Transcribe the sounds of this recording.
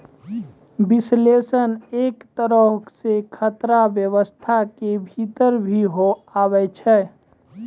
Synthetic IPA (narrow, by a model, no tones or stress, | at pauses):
bislesəneːkt̪əɾəsekʰət̪ɾabjəʋəst̪ʰakebʱit̪əɾbʱiɦoabɛt͡ʃʰɛ